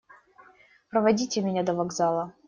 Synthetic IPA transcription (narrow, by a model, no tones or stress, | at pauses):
pɾəvɐdʲitʲɪmʲɪnʲad̪əvɐɡzalˠə